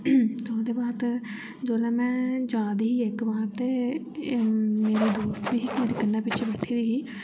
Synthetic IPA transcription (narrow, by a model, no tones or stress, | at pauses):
t̪eod̪eːbaːt̪ | d͡ʒoːlɛ̃ːmɛ̃ːd͡ʒaːd̪iiːɪkbaːɾt̪eː | meːɾeːd̪oːst̪ʋiːɦkmeːɾeːkənːãːpɪtːt͡ʃʰeːbəʈʰːiːd̪iːɦiː